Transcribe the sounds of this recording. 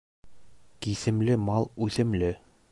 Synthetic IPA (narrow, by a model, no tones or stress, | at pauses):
kisɘ̆mlɘmɑlˠʉθɘ̆mlɘ